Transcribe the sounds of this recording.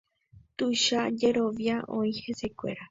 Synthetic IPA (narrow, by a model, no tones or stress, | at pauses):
t̪uʃad͡ʒeɾoʋjaʔõĩhesekʷḛɾa